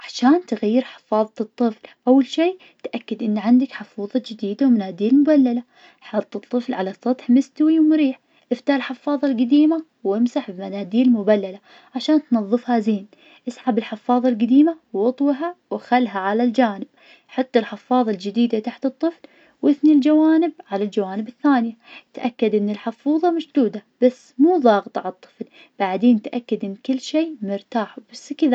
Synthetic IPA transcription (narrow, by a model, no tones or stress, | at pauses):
ʕaʃaːnt̪ɪɣajːɪɾħɪ̥fɑːðˤɑt̪ˤːɨflʔawːalʃiː | t̪ʔakːɪd̪ʔɪnːʕand̪akħɪfuːðˤɑd͡ʒɪd̪iːd̪awmanaːd̪iːlmʊbalːala | ħɑt̪ˤːɨt̪ˤːɨflʕalasˤɑt̪ˤħmɪst̪wiwmɾiːħ | ʔɪft̪aːlħɪfːɑːðˤɑlɡad̪iːma | wɪmsaħbimanaːd̪iːlmʊbalːala | ʕaʃaːnt̪nɑðˤːɨfhazeːn | ʔɪsʕabɪlħɪfːɑːðˤɑlɡad̪iːmawɑt̪ˤwɦawʔaxalːɦaʕalald͡ʒaːnɪb̚ | ħat̪ːalħɪfːɑːðˤɑld͡ʒɪd̪iːd̪at̪aħt̪ɨt̪ˤːɨfl | wʔɪθnild͡ʒawaːnɪb̚ʕalald͡ʒawaːnɪbɪθːaːnɪjat̪ʔakːad̪ʔɪnːɪlħɪfuːðˤɑmaʃd̪uːd̪ab̥asːmuːðˤɑːɣt̪ˤʕt̪ˤːɨ̥fl | b̥aʕd̪eːnt̪ʔakːad̪ʔɪnːkɪlːʃeːmʊɾt̪aːħub̥asːkɪða